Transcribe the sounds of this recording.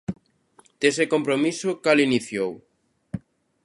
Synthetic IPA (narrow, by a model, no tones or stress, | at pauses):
d̪̥esekompɾomisokaliniθjow